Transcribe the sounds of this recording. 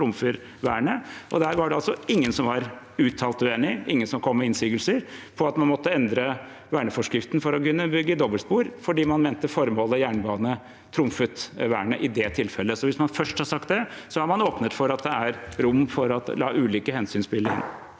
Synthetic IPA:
t̪ʰɾʊmfəɾ | ʋæːɳəʔɔd̪æːɾʋɑɖɛɑlsɔɪŋːənsɔmʋɑɾ | ʉːt̪ʰɑːlt̪ʉeːnɪɪŋːənsɔmkʰɔmːɛɪnsyːɡəlsəɾpʰɔɑt̪mɑnmɔt̪ːəɛnd̪ɾə | ʋæːɳəfɔʂkɾɪft̪n̩fɔɾɔkʉnːəbʏɡːəd̪ɔbəlspuːɾfɔɖiːmɑnmɛːnt̪əfɔɾmoːləjæːɳbɑːnə | t̪ʰɾʊmfət̪ʋæːɳəʔɪd̪ɛt̪ʰɪlfɛlːəsɔʋɪsmɑnfœʂʈhɑɾsɑk̚t̪̚d̪ɛsɔæɾmɑnoːpnət̪fɔɾɑt̪̚d̪ɛæɾɾʊmːfɔɾɑt̪lɑ̰ːʔʉːliːkəhɛnsyːnspɪlːəɛ̰n

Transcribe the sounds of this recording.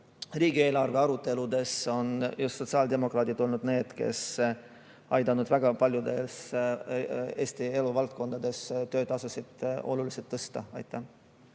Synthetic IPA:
riːɡie̞ːlɑrve̞ɑɾut̪ːˑe̞lud̪e̞so̞njust̪so̞t̪siɑːld̪e̞mo̞krɑːt̪id̪o̞lnud̪̥ne̞ːd̪̥ke̞̰s | ɑjd̪ɑnud̪væɡ̥ɑpɑlʲjud̪e̞s | e̞ːsʲt̪ie̞luvɑlt̪̚ko̞nd̪̥ɑd̪̥e̞st̪ø̞ːt̪ːɑsusid̪̥o̞̰luliset̪ːɤst̪ɑɑjt̪ːˑɑ

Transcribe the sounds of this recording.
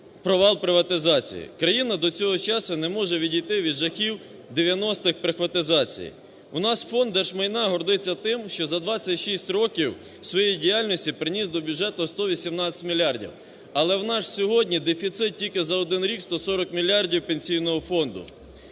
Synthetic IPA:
pɾɔʋɑlˠpɾɪʋɐt̪ɪzɑt͡sʲḭjḭkɾɐjinɐd̪ɔt͡sʲɔɦɔt͡ʃɑsʊnɛmɔʒɛʋʲidʲijt̪ɪʋʲid̪ʒɐxʲiw | d̪eʋʲjɐnɔst̪ɪxpɾɪxʋɐt̪ɪzɑt͡sʲḭjḭ | ʊnɑsfɔnd̪ːɛʃmɐjnɑɦɔrd̪ɪt͡sʲːɐt̪ɪmʃt͡ʃɔzɐd̪ʋɑt͡sʲɐtʲʃisʲtʲɾɔkʲiw | sʋɔjejdʲijalʲnʲɔsʲtʲipɾɪnʲizd̪ɔbʲjʊd͡ʒɛt̪ʊst̪ɔʋʲisʲimnɑt͡sʲɐ̥tʲmʲilʲːɑrdʲḭw | ɐlˠɛwnɑʃsʲɔɦɔdʲnʲid̪efʲit̪sɪt̪̚tʲilʲkɪzɐɔd̪ɪnɾʲikst̪ɔsɔɾɔkmʲilʲːɑrdʲiwpenʲsʲijnɔɦɔfɔnd̪ʊ̰

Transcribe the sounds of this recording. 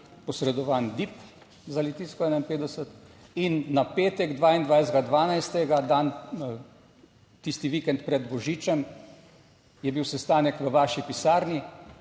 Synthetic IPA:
pɔsɾɛd̪ɔʋaːnd̪ip | zalɛt̪iːskɔɛːnainpeːd̪d̪ɛsət̪inːapeːt̪ɛɡd̪ʋaːind̪ʋajzɡad̪ʋaːnajst̪ɛɡad̪aːn | t̪ist̪iʋikɛnt̪̚pɾɛd̪bɔʒiːt͡ʃɛm | jɛbiwsɛst̪aːnɛkʋəʋaːʃipisaːɾni

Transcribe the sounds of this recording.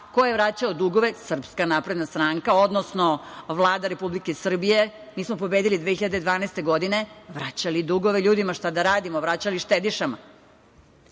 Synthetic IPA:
kojeʋɾat͡ɕaod̪uɡo̞ʋe̞sr̩pskanaːpɾe̞d̪nast̪ɾaŋkao̞d̪nosno̞ʋlˠaːd̪aɾe̞publikesr̩bije̞ | miːsmo̞po̞bed̪ilid̪ʋeçiʎad̪ed̪ʋaːnast̪e̞ɡo̞d̪ine̞ʋɾat͡ɕalid̪uɡoʋeʎuːd̪imaʃt̪ad̪aɾaːd̪imoʋɾat͡ɕaliʃt̪ed̪iʃama̰

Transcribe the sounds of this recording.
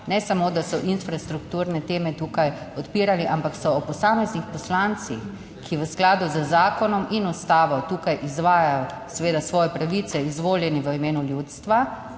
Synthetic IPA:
nɛsamod̪asɔʔinfɾast̪ɾukt̪uːɾnɛt̪eːmɛt̪uːkaj | ɔt̪piːɾaliʔampaksɔɔpɔsaːmɛznixpɔslant̪six | kʰiʋəsklaːd̪uzəzaːkɔnɔminust̪aːʋɔt̪uːkajʔizʋaːjajɔ | sɛʋeːd̪asʋɔːjɛpɾaʋit̪sɛizʋoːljɛniʋəimeːnuljut̪st̪ʋa

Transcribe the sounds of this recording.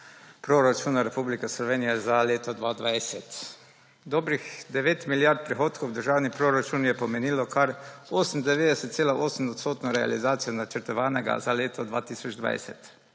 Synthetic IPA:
pɾoɾat͡ʃuːnaɾɛpublikɛslɔʋeːnijɛzaleːt̪ɔd̪ʋaːd̪ʋajsɛt̪ | d̪oːbɾixd̪ɛʋeːt̪miljaɾt̪̚pɾixoːt̪kowd̪əɾʒaːwnipɾoɾat͡ʃunjɛpɔmeniːlɔkʰaɾoːsm̩d̪ɛʋeːd̪ɛsɛt̪t̪seːlaʔoːsm̩ɔt̪st̪oːt̪nɔɾɛa̰lizaːt̪sijonat͡ʃəɾt̪ɔʋaːnɛɡa̰zaleːt̪ɔd̪ʋa̰ːt̪iːsɔd͡ʒd̪ʋa̰jsɛ̰t̪

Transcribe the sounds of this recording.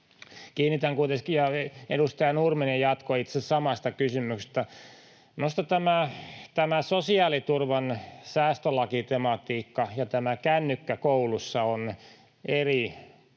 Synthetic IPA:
kiːnːit̪æŋkuit̪eskijɑḛdust̪ɑjɑnurmenijɑt̪koit̪sesɑmɑst̪ɑkysymykse̥st̪æ | mnost̪ɑt̪æmæt̪æmæsosiɑːlit̪urʋɑnsæːst̪ølɑkit̪emɑt̪iːkːɑjɑt̪æmækænːykːækoulusːɑon | eri

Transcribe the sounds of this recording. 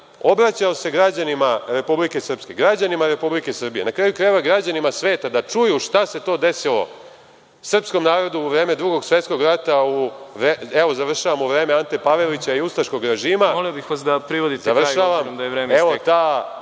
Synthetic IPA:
o̞bɾat͡ɕaose̞ɡɾad͡ʑanimaɾe̞publike̞sr̩pske̞ɡɾad͡ʑanimaɾe̞publike̞sr̩bije̞nakɾaːjukɾaʋaɡɾad͡ʑanimasʋe̞ːt̪ad̪at͡ʂujuʃt̪ase̞t̪o̞ːd̪e̞silo̞̰ | sr̩psko̞mnaːɾo̞d̪uːʋɾe̞ːme̞d̪ɾuɡoɡsʋe̞t̪ko̞ɡɾat̪auʋeeʋo̞zaʋr̩ʃaʋamuʋɾe̞ːmeant̪epaʋe̞lit͡ɕaiust̪aʃko̞ɡɾe̞ʒiːmaoliobixʋasd̪apɾiʋod̪it̪zaʋr̩ʃaʋammd̪ajeʋɾeːmeʋot̪aː

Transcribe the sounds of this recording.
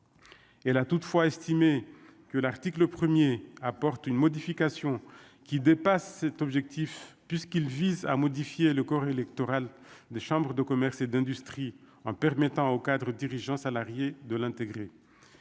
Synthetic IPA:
ɛlat̪ut̪fwaɛst̪imekəlaʁt̪ikləpχəmjeapɔʁt̪ynmɔd̪ifikasjɔ̃ | kʲid̪epasːɛt̪ɔbʒɛk̚t̪ifpɥiskilviza̰mɔd̪ifjeləkɔʁelɛkt̪ɔʁald̪eʃɑ̃bʁəd̪əkɔmɛʁsed̪ɛ̃d̪yst̪χi | ɑ̃pɛʁmɛt̪ɑ̃okad̪ʁəd̪iʁiʒɑ̃salaʁjed̪əlɛ̃t̪eɡʁe

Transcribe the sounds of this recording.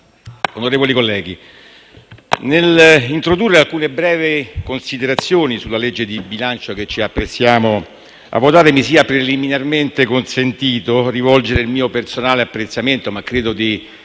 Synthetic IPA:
onoɾeːvolikolːɛːɡi | nelint̪ɾod̪urːealkuːnebɾɛːvekonsid̪eɾat̪sːjoːnisulːaled͡ʒːed̪ibilant͡ʃoket͡ʃːiapːɾet̪sːjaːmo | a̰vːot̪aːɾemisiːapɾeliminarment̪ekonsent̪iːt̪orivɔld͡ʒeɾeilmiːopersonaːleapːɾet̪sːament̪omakːɾeːd̪od̪i

